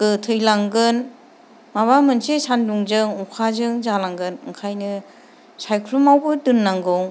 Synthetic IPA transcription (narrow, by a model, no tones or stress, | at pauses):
kɯtʰɯjlaŋɡɯn | maβamɯnsesanduŋzɯŋukʰazɯŋzalaŋɡɯnɯŋkʰajnɯ | sajkʰɾumawbɯdɯnːaŋɡɔŋ